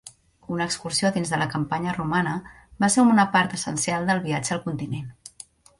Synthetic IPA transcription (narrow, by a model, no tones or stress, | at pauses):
unəːkskuɾsioðinzðələkəmpaɲərumanə | baseunəpaɾt̪əsə̰nsialˠd̪əlˠβiad͡ʒəəlˠkunt̪inen